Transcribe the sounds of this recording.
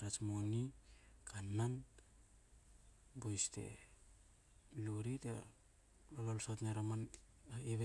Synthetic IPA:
ɾat͡ʃmonikanːan | bojste̞̰ | luɾite | lololsotneɾaman | aiβe

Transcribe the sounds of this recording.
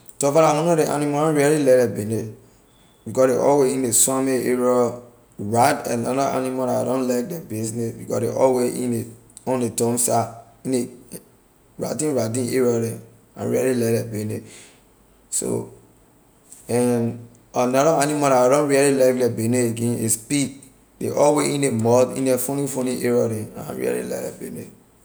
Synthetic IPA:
tɔfaɾawɔ̃nɔdeʔa̰nĩmaãɹialilɛɾɛbene | bikɔdeʔɔ̰weĩneswãmeeɹɔ | ɹadɛ̰̃naɾaʔa̰nimaɾaa̰dɔ̃nlak̚dɛbesnebikɔdḛʔɔ̰weʔḭ̃neɔ̃netɔ̃msa | ĩne | ɹa̰dĩɹadĩneɹɔdɛ̃ | ã̰ɹialilɛk̚dɛbene | so̰ | ɛ̃n | anaɾɔanimaɾaaɾɔ̃nɹialilak̚dɛbeneeɡẽnespid̚ | deʔɔlweʔĩnemɔdḭ̃ndɛfõnĩfõnĩʔeɹɔdɛ̃aã̰ɹḭa̰lḭlɛ̰klɛ̰benḛ

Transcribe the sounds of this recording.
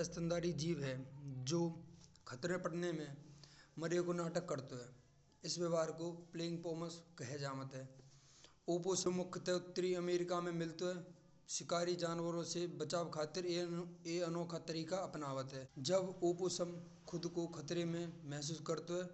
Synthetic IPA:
əst̪ə̃nd̪aːɾid͡ʒiːʋɦɛd͡ʒoːkʰət̪ɾẽpəɽnemẽməɾjekonaːʈəkːəɾt̪oɦɛː | ɪsʋəʋaːɾkopleːɪ̃ŋɡ̚pɔːməskəɦed͡ʒaːʋət̪ɦɛː | oːposəmʊkʰt̪eʊt̪ːəɾiəmeːɾɪkamẽmɪlt̪oɦɛː | ʃɪkaːɾid͡ʒaːnwəɾõsebət͡ʃaːwkʰaːt̪ɪɾeənɔːkʰat̪əɾiːkaɐpnaːʋət̪ɦɛːd͡ʒəboːposəm | kʰʊd̪kokʰət̪ɾemẽmɛɦs̬uːskəɾt̪oɦɛː

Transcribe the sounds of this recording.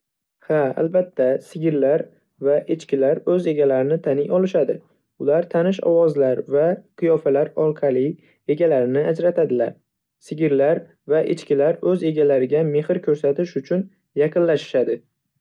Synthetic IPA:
haa̰lbat̪ʰːasɪɡʲɪɾlaɾ | vaʔet͡ʃkʲɪlaɾɵze̞ɡʲalaɾɪnɪt̪ʰanɪjɒlˠɪʃad̪ɪ | ʊlaɾt̪ʰanɪʃɒ̰wɒzlaɾvaqʰɨjɒfalaɾɒɾqʰɑlˠɪ | e̞ɡʲalaɾɪnɪad͡ʒɾat̪ʰad̪ɪla̰ɾ | sɪɡʲɪɾlaɾ | vaʔɪt͡ʃkʲɪlaɾɵze̞ɡʲalaɾɪɡʲame̞hɪɾkʲʰɵɾsat̪ɪʃʊt͡ʃʰʊn | jɑqʰɨnlaʃɪ̥ʃad̪ɪ

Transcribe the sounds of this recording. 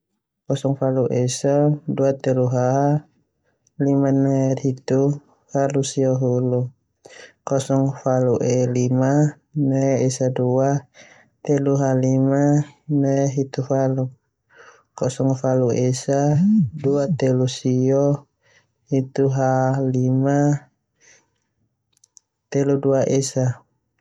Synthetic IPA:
kɔsɔŋfaluʔɛsɔduat̪ɛluɦa | limanɛrhit̪u | falusiɔɦulu | kɔsɔŋfaluʔɛlima | nɛɛsadua | t̪ɛluɦalimanɛɦit̪ufalu | kɔsɔŋfaluesaduat̪elusiɔ | hit̪uɦalima | t̪eluduaʔesa

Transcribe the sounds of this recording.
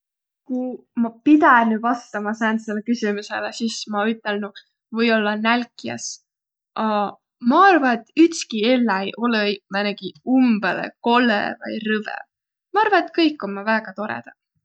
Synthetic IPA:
ku | mɑpid̪ænyvɑst̪ɑmɑsɑenselːekysimuselesismɑyt̪ˑːe̞lnu | vɤjo̞lːɑnælkːˑiɑ̰s | ʔɑ | mɑɑrvɑet̪ːˑyt̪skielːɑejʔo̞leimeneɡ̥iumbelḛko̞lːḛvɑjrɤvḛ | mɑɑrvɑet̪kɤjkːˑo̞nmɑvæːɡ̥ɑt̪o̞ɾḛd̪̥ɑ

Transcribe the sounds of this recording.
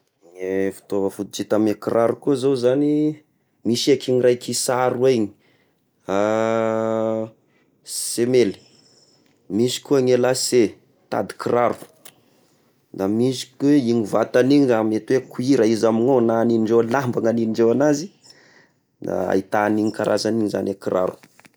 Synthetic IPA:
ŋefu̥t̪ovəfut̪it͡ʃit̪amekirʔaɾukuzozani | misakiŋirajkisaɾuaɲi̥ | a | semeli̥ | misi̥kuaŋelase | t̪a̰d̪i̥kiraɾu̥ | d̪amisi̥kuweiŋivat̪aniɲizamet̪uwekuiɾaizaminonaniniɳɖ͡ʐewlambaŋaniniɳɖ͡ʐewanazi | d̪a̰a̰it̪aniŋikaɾʔa̰zaniɲiza̰nʔakira̰ɾu̥

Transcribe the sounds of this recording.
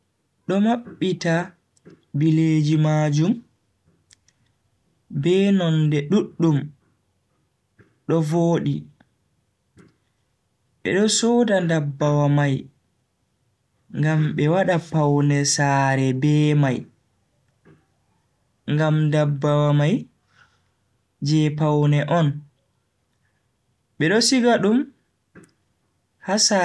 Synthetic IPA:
ɗɔmaɓːita | bileːd͡ʒimaːd͡ʒum | bɛːnɔndɛɗuɗːum | ɗɔvoːɗḭ | ɓɛ̰ɗɔsɔdandabːawamaj | ŋɡamɓɛwaɗapawnɛsaːɾɛbɛːmaj | ŋɡamndabːawamaj | d͡ʒɛpawnɛʔɔn | ɓɛɗɔsiɡaɗum | hasa

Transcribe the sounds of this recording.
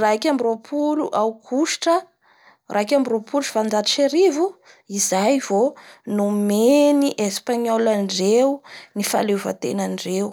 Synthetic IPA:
rakʲambiropʰulṵʔawkʰuʃi̥ʈ͡ʂə | rʔakʲambiropuluʈ͡ʂvand͡zat̪i̥ʃeɾivu | izajv̥onumeniʔespaɲolanɖ͡ʐewunifa̰leva̰t̪ḛnanɖ͡ʐew

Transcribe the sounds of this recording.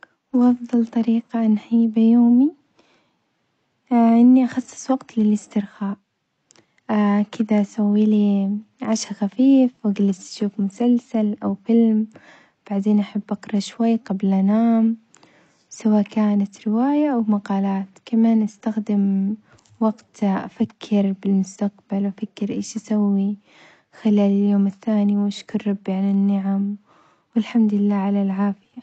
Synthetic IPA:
wʔɑfðˤɑlt̪ˤɑɾiːqaʔanħiːbajoːmi | ʔɪnːiʔaxɑsˤːɨ̥sˤwɑɡt̪lɪlɪst̪ɪɾxaːʔ | kɪd̪aʔsawːiliʕaʃxafiːfwaɡalːɪst̪ʃuːfmʊsalsalʔawfɪlm | b̥aʕd̪eːnʔaħabːʔɑqɾˤɑʃwajːqablʔanaːm | sawaːʔkaːnat̪ɾɪwaːjaʔwmaqɑːlaːt̪kamaːnʔast̪axd̪ɪm | waɡt̪ʔa̰fakʰːɪɾbɪlmʊst̪aqbalwafakːɪɾʔḛːʃʔasawːi | xɪlaːlɪljoːmɪθːaːniwʔaʃkʊɾːɑbːiʕalɪnːɪʕam | wɪlħamd̪ɪlːaːʕalalʕaːfɪja

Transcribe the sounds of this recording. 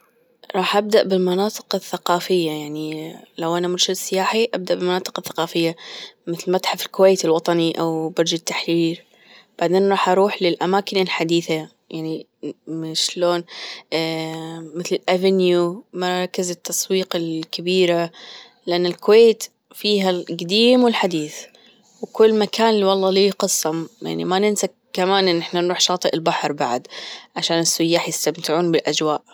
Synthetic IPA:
ɾˤɑːħʔab̚d̪aʔbɪlmɑnɑːt̪ˤɨ̥qɪθːaqɑːfɪjːajaʕnilawʔanamʊɾʃɪd̪sɪjaːħiʔab̚d̪aʔbɪlmanɑːt̪ˤɨ̥qɪθːḁqɑːfɪjːamɪθlmat̪ħafɪlkʊwejt̪ɪlwɑt̪ˤɑniʔawbɑɾˤd͡ʒat̪ːaħɾiːɾ | b̥aʕd̪eːnɾˤɑːħʔɑɾˤuːħlɪlʔamaːkɪnɪlħad̪iːθa | jaʕni | mɪʃloːn | mɪθlɪlʔavɪnjumɑɾˤɑkːɪzɪt̪ʰːɑsˤwiːqɪlkabiːɾa | lɪʔanːɪlkʊweːt̪ | fiːɦalɡad̪iːmwɪlħad̪iːθ | wkʊlːmakaːnɪlːiwɑlˤːɑːliqɨsˤːɑmja̰ʕnimanɪnsa | kːamaːnʔɪnːʔɪħnanɾuːħʃɑːt̪ˤɨʔɪlbaħɾˤbaʕd̪ʕaʃaːnɪsːʊjːaːħjɪst̪amt̪ɪʕuːnbɪlʔad͡ʒwaːʔ

